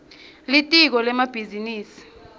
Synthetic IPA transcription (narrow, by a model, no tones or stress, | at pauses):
litʼik̬ɔlɛmab̥ʱiziniːsi̥